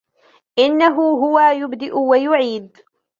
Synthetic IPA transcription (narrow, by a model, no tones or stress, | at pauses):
ʔɪnːaɦʊɦʊwaːjʊbd̪ɪʔʊwajʊʕiːd̪